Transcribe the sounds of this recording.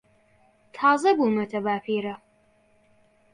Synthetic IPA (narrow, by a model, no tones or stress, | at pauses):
t̪ʰɑːzɐbuːnɐt̪ʰɐbaːpʰiːɾɐ